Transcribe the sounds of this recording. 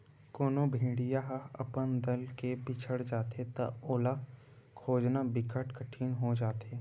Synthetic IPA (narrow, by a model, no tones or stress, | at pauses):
koːnobʱĩːɽijaɦɐpənd̪ɐlkebɪt͡ʃʰəɽd͡ʒaːt̪et̪ɐ̰oːla | kʰoːd͡ʒnabɪkəʈkəʈʰiːnɦod͡ʒaːt̪eː